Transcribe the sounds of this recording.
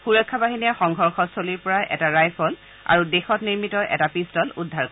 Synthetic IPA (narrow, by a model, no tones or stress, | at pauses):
xuɹɔkʰːabaɦinijaxɔŋɡʱɔɹxɔsoliɹpɔɹaʔɛ̰taɹajpʰɔl | a̰ɹudexɔtniɹmitɔʔɛ̰tapistɔludʱːaɹkɔ